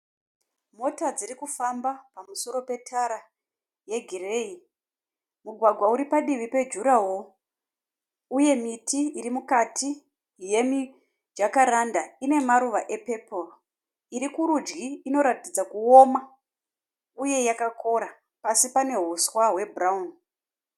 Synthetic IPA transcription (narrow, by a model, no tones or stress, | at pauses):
mo̞tad͡ziɾikufambapamuso̞ɾope̞tʰaɾa | je̞ɡʱirei | muɡʱwaɡʱwauɾipaɗiʋipe̞d͡ʒuɾawo̞ | uje̞mitʰiiɾimukati | je̞mi | d͡ʒakaɾandaine̞maɾuʋaʔe̞pe̞pʰor | iɾikuɾud͡ʒɡiːno̞ɾatid͡zakuo̞ma | uje̞jakako̞ɾa | pasipane̞ɦuswaɦwe̞braun